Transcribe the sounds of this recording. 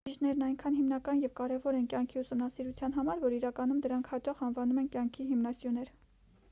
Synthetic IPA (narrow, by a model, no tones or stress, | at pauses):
iʒnɛɾnɑjŋkʰɑn̪himnɑkɑnjɛvkɑɾɛvɔɾɛnkʲjɑŋkʰiusumnɑsiɾut͡sʰjɑn̪ɦɑmɑɾvɔɾiɾɑkɑnumd̪əɾɑŋkʰhɑt͡ʃɑχɑnvɑnumɛnkjɑŋkʰiɦimnɑsjunɛɾ